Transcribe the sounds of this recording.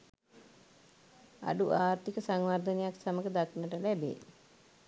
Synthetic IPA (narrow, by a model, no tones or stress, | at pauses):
a̰ɖuʔaːrt̪ikəsaŋʋaɾd̪ənejaksaməɡəd̪aknəʈəlæbḛː